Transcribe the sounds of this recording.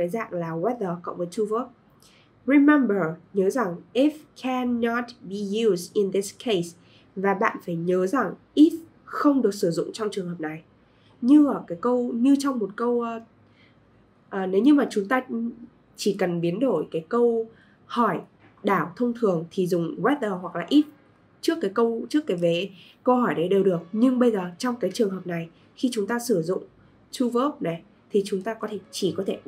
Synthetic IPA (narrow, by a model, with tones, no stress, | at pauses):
ə˨˦jza̰ː˧˨ŋlaː˨˩wɛ˦˥ðə˨˩kɔ̰˧˥mə˨˦tʰu˧və˦˥k̚ | ɹi˧mɛ˧mbə˨˩ɲəː˨˦za˨˩ŋʔi˦˥f̚kʰɛ˧nːɔ˦t̚ɓi˨ju˧zi˧nði˦skʰe˧s | vaː˨˩ɓa̰ː˧˨nfaː˧˩jɲəː˨˦za˨˩ŋʔi˦˥f̚ | xə˧wŋ͡mɗɨ˨˩ək̚sɨ˧˩zʊ̰˧˨ŋ͡mt͡ɕwŋ͡mt͡ɕɨ˨˩əŋɦəː˨˩p̚na˨˩j | ɲɨ˧əː˧˩kaː˨˦jkə˧wɲɨ˧t͡ɕɔ˧wŋ͡mmo˨˩t̚kə˧w | ʔəː˨˩ne˨˦wɲɨ˧maː˨˩t͡ɕʊ˨˦ŋ͡mt̪aː˧ | t͡ɕi˧˩kə˨˩nɓi˨˦ənɗo˧˩jkaː˨˦jkə˧w | hɔ˧˩j | ɗaː˧˩wt̪ʰə˧wŋ͡mt̪ʰɨ˨˩əŋt̪ʰi˨˩zʊ˨˩ŋ͡mwɛ˦˥t̚ʔəː˧ɦwa˨˩k̚laː˨˩ʔi˦˥t̚ | t͡ɕɨ˦˥əkːaː˨˦jkə˧wt͡ɕɨ˦˥əkːaː˨˦jve˨˦ | kə˧whɔ˧˩jɗə˨˦jɗe˨˩wɗɨ˨˩ək̚ɲɨ˧ŋɓə˧jzəː˨˩t͡ɕɔ˧wŋ͡mkaː˨˦jt͡ɕɨ˨˩əŋɦəː˨˩p̚na˨˩j | xi˧t͡ɕʊ˨˦ŋ͡mt̪aː˧sɨ˧˩zʊ̰˧˨ŋ͡m | t͡ɕu˧və˦˥p̚na˨˩j | t̪ʰi˨˩t͡ɕʊ˨˦ŋ͡mt̪aː˧kɔ˨˦t̪ʰe˧˩t͡ɕi˧˩kɔ˨˦t̪ʰe˧˩